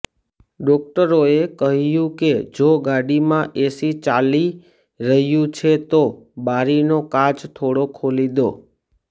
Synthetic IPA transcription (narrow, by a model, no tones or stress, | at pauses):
ɖɔk̚ʈəɾoekəɦjũked͡ʒoɡaɽimãʔesit͡ʃali | ɾəɦjũt͡ʃʰet̪obaɾinokad͡ʒt̪ʰoɽokʰolid̪o